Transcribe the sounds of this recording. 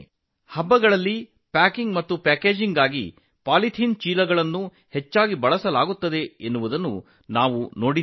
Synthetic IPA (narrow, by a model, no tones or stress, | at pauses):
hɐbːɐɡɐɭɐlːi | paːkiŋɡmɐt̪ːupaːkeːd͡ʒiŋɡaːɡḭ | paːlit̪ʰiːnt͡ʃiːlɐɡɐɭɐnːu | het͡ʃːaːɡibɐɭɐsɐlaːɡut̪ːɐd̪e̞enːuʋud̪ɐnːṵ | naːʋuno̞ːɽi